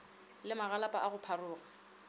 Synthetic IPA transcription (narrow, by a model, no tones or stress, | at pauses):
lɪmaɣalapʼaʔaɣʊpʰarʊːɣa